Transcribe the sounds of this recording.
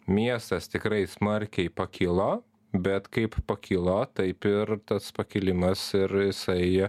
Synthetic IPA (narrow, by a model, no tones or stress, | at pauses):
mʲiɛst̪ɐst̪ʲɪkɾɐɪsmɐɾʲkʲɛɪpɐkʲʰiːlˠo | bʲɛt̪kɐɪppɐkʲʰiːlˠot̪ɐɪpɪrt̪ɐspɐkʲɪlʲɪmɐsɪɾjɪsɐɪ